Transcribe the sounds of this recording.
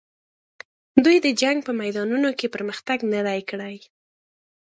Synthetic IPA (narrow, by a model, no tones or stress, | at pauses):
d̪ujd̪əd͡ʒaŋɡ̚pəmajd̪ɑnunokepəɾməxt̪aɡnad̪ajkɽaj